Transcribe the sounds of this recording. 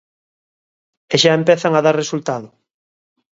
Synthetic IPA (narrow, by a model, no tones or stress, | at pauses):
eʃaempɛθaŋaðaɾresult̪aðʊ